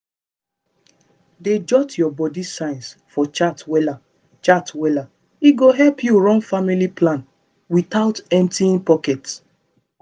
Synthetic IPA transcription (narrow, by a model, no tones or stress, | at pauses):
ded͡ʒɔtjɔbɔdisãɪ̃nsfɔt͡ʃatwɛla | t͡ʃatwɛla | iɡoɦɛlpjuɹɔ̃ŋfamiliplãn | wit̪aʊtɛ̃ntiĩnpɔkɛt